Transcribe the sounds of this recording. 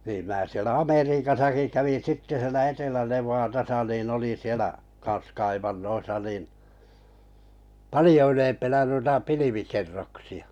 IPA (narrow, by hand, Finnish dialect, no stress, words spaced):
niːm mæː sielæ ɑmeriːkɑsɑki kæʋin̞ sitːe sielæ etelæneʋˑɑːtɑsɑ nin olin̞ sielæ kɑns kɑiʋɑnːoisɑ nin pɑlijo ylempænæ nuitɑ piliʋikerːoksiɑ̥